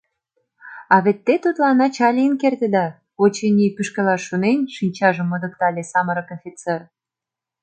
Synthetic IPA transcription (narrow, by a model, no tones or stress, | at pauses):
ɑβet̪ːet̪ut̪lɑnɑt͡ɕɑlʲiənkert̪ed̪ɑ | ot͡ɕenʲipyʃkĕlɑʃːunenʃinʲt͡ɕɑʒə̆mːŏd̪ək̚t̪ɑlʲesɑməɾɤ̆kofʲit͡ser